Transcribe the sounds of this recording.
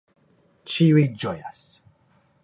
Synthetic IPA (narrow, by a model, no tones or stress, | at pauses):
t͡ʃiwid͡ʒɔja̰s